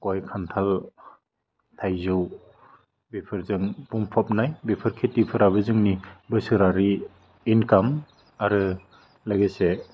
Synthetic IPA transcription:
kɔjkʰantʰal | tʰajzɯw | bipʰɯɾzɯŋbumpʰɔp̚najbipʰɯɾkʰit̚ipʰɯɾabɯzɯŋnibɯsɯɾaɾiː | nkam | aɾɯ | laɡese

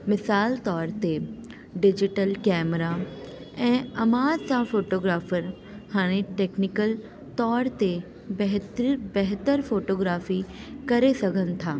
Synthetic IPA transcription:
mɪsaːlt̪ɔːɾt̪e | ɖɪd͡ʑɪʈəlkɛːmɾa | ɛ̃ːɐmaːzsãfoːʈoːɡɾaːfəɾ | haːɽ̃eʈeːknɪkəl | t̪ɔːɾt̪e | bɛɦt̪bɛɦt̪əɾfoːʈoːɡɾaːfikɐɾesɐɡʱənɪ̆t̪ʰaː

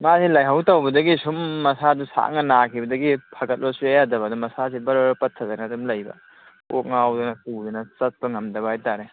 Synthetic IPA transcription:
mazilɐjɦawtawbɐdɐɡisumːɐsadusa̰ŋɐnakʰibɐdɐɡipʰaɡɐt̚losuajadɐbɐdɔmɐsasibɐɾɔɾpɐtʰːɐzanɐːdumlɐjbɐ̰ | ok̚ŋawdɐnɐsudɐnɐsɐt̚pɐŋɐmdɐbɐajtaɾe

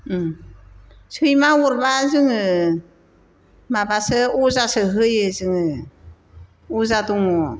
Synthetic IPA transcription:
sʰɯjmawuɾbazɯŋɯ | mabasɯuzasɯɦɯjɯzɯŋɯ | uzaduŋɔ

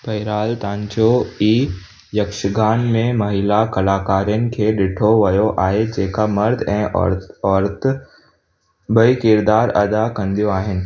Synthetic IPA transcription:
bʱɐɪɾaːlt̪ãɲd͡ʑoiː | jɐkʃɡaːnmẽmɐɦɪlakɐlaːkaːɾijənɪ̆kʰeːɗɪʈʰoʋɐjoʔaːed͡ʑeːkamɐɾd̪ʱɛ̃ːɔːɾt̪ | bɐikɪɾd̪aːɾɐ̰d̪akɐ̃nd̪ijoaːɦɪnɪ̆

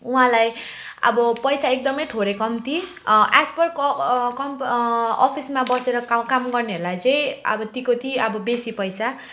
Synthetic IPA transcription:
uɦãlaj | ʌ̰bʌpʌjsaek̚d̪ʌmʌjt̪ʰoɾekʌmt̪i | aspʌrkokʌmpɔ̰pʰismabʌseɾʌkamɡʌrneɦʌɾlajt͡sʌ̃j̃ʌ̰bʌt̪ikot̪iʌbʌbesipʌjsa

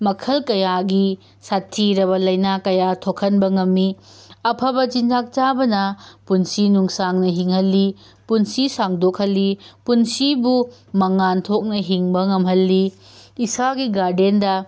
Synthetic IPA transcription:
mɐkʰɐlkɐjaɡi | satʰːiɾɐβɐlɐjnakɐjatʰokʰːɐnbɐŋɐmːi | ɐpʰɐbɐd͡ʒind͡ʒak̚t͡ʃabɐnɐpunsinuŋsaŋnɐɦiŋɦɐlːi | punsisaŋdokhɐlːipunsibumɐŋantʰok̚nɐɦiŋbɐŋɐmɦɐlːi | isaɡiɡaɾdendɐ

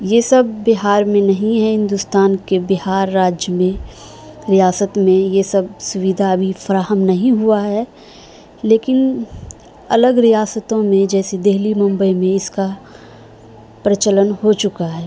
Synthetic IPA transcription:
jesɐbːɪɦaːɾmẽnɐɦĩɦɛɦɪ̃nd̪ust̪aːnkebɪɦaːɾːaːd͡ʒjəmẽ | ɾijaːsət̪mẽjesɐb̚sʊʋɪd̪ʱaɐbʱifɐɾaːɦəmnɐɦĩɦuaɦɛ | leːkɪn | ɐləɡɾijaːsət̪õmẽd͡ʒɛːsed̪eɦlimɐ̃mbəimẽɪska | pɾət͡ʃələnɦot͡ʃʊkaɦɛː

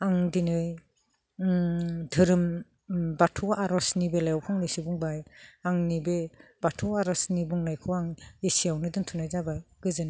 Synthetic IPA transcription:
aŋdinɯj | dʰʱɯɾɯm | batʰɔaɾɔsnibelajawkʰɔŋnɯsibuŋbajaŋnibeb̥atʰɔaɾɔsnibuŋlajkʰɯwaŋesijawnɯdɯntʰunajzabaɡ̥ɯzɯni

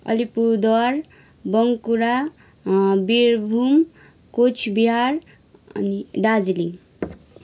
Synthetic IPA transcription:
ʌ̰lipud̪ʌɾ | bʌŋkuɾa | biɾbʱum | kot͡sʰbiɦaɾ | ʌ̰niɖad͡ziliŋ

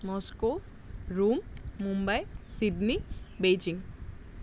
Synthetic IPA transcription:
mɔsko | ɾuːmːũmbajsɪɖnibeːd͡ʒɪŋɡ

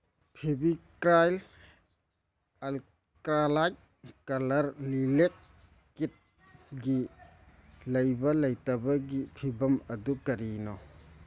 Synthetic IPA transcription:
pʰibikɾajl | ɐl | kɾalajt̚ | kɐlɐɾlilek̚ | kːit̚ | ɡi | lɐjbɐlɐjtɐbɐɡipʰibɐmɐdukɐɾinɔ

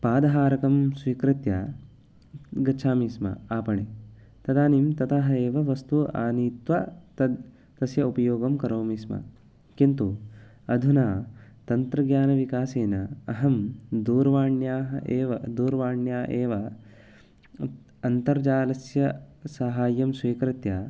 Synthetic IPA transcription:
paːd̪ɐɦaːɾɐkɐmsʋiːkɾɪt̪ja̰ː | ɡɐʃʰaːmiːsmɐ̰aːpɐɳe | t̪ɐd̪aːniːmt̪ɐt̪aːɦɐeːʋɐʋɐst̪ua̰ːniːt̪ʋat̪ɐd̪ | t̪ɐsjɐupɐjoːɡɐmkɐɾoːmiːsmɐ̰ | kint̪u | ɐd̪ʱunaːt̪ɐnt̪ɾɐɡjaːnɐʋikaːseːnɐɐɦɐmd̪uːɾʋaːɳjaːɦɐʔeːʋɐd̪uːɾʋaːɳjaːʔeːʋɐ | ɐnt̪ɐɾd͡ʒaːlɐsjɐsɐɦaːjɐmsʋiːkɾɪt̪jaː

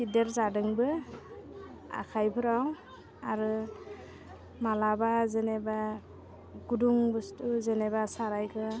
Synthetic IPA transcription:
pʰidɛɾzadɯŋbɯ | a̰kʰajbʰɯɾaw | aɾɯ | malabazenɛba | ɡuduŋbɯstuzenɛbasaɾajkʰɯ

